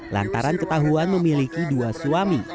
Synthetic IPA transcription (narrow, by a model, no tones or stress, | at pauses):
la̰nt̪aɾankət̪aɦuanməmilikiduasuami